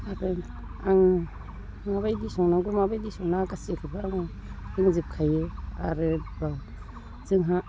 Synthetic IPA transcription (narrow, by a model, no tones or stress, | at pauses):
aɾe | aŋ | maβajdisɔŋnaɡumabajdisɔŋnakasiakʰibaːŋa | ɾɯŋzip̚kʰajea̰ɾɯba | z̥ɯŋɦa